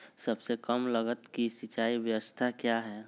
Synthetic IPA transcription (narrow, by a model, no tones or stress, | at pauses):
səbsekəmləɡət̪kisit͡ʃaːiʋjəwəst̪ʰakjaɦɛː